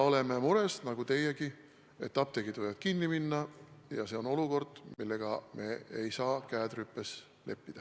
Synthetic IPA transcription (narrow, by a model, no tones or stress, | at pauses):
o̞le̞me̞muɾe̞snɑɡ̥ut̪e̞jeɡi | e̞t̪ːɑp̚t̪eɡid̪ojɑt̪̚kinːiminːɑjɑ̰se̞o̞no̞luko̞rd̪̥milːe̞ɡ̥ɑme̞̰ejsɑːkæːd̪rypːe̞s | le̞̰pːid̪̥ɑ